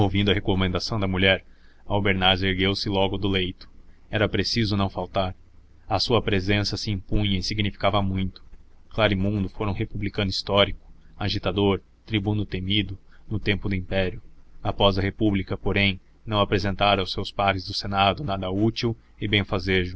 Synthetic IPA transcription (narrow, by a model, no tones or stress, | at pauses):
owvĩnd̪ʊɐɦekomẽnd̪asɐ̃w̃d̪ɐmuʎɛɾ | ɐwbeɾnaɾzeɾɡewsɪlɔɡʊd̪ʊlejt̪ʊ̥ɛɾɐpɾesizʊnɐ̃w̃fawt̪aɾ | ɐsuɐpɾezẽsɐsɪĩmpũɲɐɪsiɡnifi̥kavɐmũj̃t̪ʊ̥klaɾimũnd̪ʊfoɾũɦepublikɐ̃nʊist̪ɔɾikʊ̥ | aʒit̪ad̪oɾ | t̪ɾibũnʊt̪emid̪ʊnʊt̪ẽmpʊd̪ʊĩpɛɾjʊapɔzɐɦepublikɐpoɾẽj̃ | nɐ̃w̃apɾezẽnt̪aɾwsewspaɾɪzd̪ʊsenad̪ʊnad̪ɐut͡ʃiw | ɪbẽj̃fazeʒʊ